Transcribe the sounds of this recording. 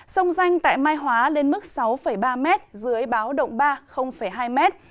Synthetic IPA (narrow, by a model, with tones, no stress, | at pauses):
sə˧wŋ͡mza˧jŋ̟t̪a̰ː˧˨jmaː˧jɦwaː˨˦le˧nmɨ˦˥k̚sa˨˦wfə˧˩jɓaː˧mɛ˦˥t̚zɨ˨˦əjɓaː˨˦wɗə̰˧˨wŋ͡mɓaː˧xə˧wŋ͡mfə˧˩jɦaː˧jmɛ˦˥t̚